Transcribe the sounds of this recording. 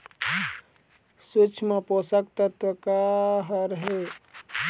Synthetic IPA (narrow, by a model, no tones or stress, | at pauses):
sut͡ʃʰmeposəkt̪ət̪ʋəkaɦəɾɦe